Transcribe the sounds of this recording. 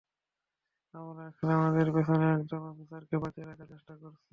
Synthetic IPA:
amɾaɛkʰoneamad̪eɾpet̪ʰaneɛkd͡ʑɔnɔfisaɾkebateelat͡ɕat͡ɕeʃʈakoɾt͡ɕʰi

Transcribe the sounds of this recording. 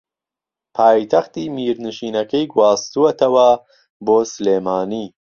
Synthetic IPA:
pʰaːjt̪ʰɐxt̪iːmiːɾnɨʃiːnɐkɐjɡwɑːst̪uwɐt̪ʰɐwɐ | boːsɨleːmaːniː

